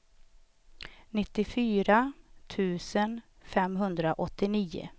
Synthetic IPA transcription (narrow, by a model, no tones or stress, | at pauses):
nɪt̪ːɪfyːɾat̪ʰʉ̟ːsənfɛmɦɵnd̪ɾaʔɔt̪ːɪniːʊ̰